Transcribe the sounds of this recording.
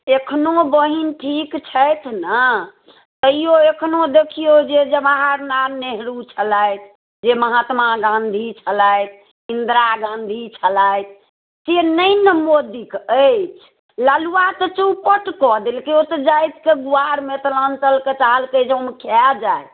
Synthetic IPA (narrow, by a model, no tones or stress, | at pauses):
ekʰnobəɦinʈʰikt͡ʃʰəjt̪ʰnə | t̪əɦijoekʰnod̪ekʰijod͡ʒed͡ʒebaɦaɾnaɾneɦɾut͡ʃʰələjt̪ʰ | d͡ʒeməɦat̪maɡãnd̪ʱit͡ʃʰələjt̪̚ʰ | ind̪ɾaɡãnd̪ʱit͡ʃʰələjt̪ʰ | senəjnəmod̪ikət͡ʃʰ | laluat̪ət͡ʃəupəʈkɔd̪elkeot̪əd͡ʒajt̪ʰkeɡuaɾmet̪ələnt̪əlket͡ʃalkəd͡ʒeomekʰɛd͡ʒajt̪